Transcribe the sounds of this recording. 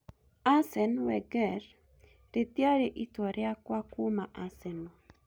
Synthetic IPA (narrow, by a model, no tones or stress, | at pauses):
asɛnwɛɡɛɾ | ɾet̪jaɾeʔit̪wɔɾeakwakumaʔasɛnɔ